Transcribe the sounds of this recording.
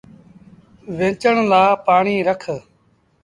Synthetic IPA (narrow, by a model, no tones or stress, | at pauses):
ʋẽːt͡ʃəɳlaːpaːɳiːɾəkʰ